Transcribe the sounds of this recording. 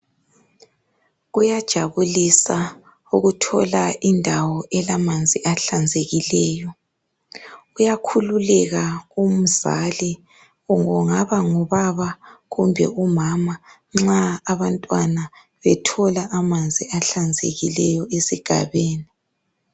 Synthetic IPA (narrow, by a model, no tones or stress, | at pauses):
ɣujad̥ʒ̥ʱaβulisa | uɣutʰɔ̰laʔindʱawɔʔɛlamand͡zʱiʔaɬand͡zʱeɣilɛːjɔ | ujakʰululɛɣaum̩za̰li | uŋɔŋaβaŋɔβaβaɣumbʱɛ̰umama | ŋ͡ǁaːβantʼwana | βɛtʰɔlaʔamand͡zʱiaɬand͡zʱḛɣilɛjɔesiɡ̥ʱa̰βeːni